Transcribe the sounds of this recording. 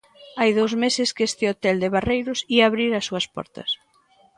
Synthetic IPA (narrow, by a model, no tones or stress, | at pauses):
ajðowzmesɪskest̪ɪot̪ɛld̪ɪβarejɾʊsiaβɾiɾɐsːuɐspɔ̰ɾt̪ɐ̰s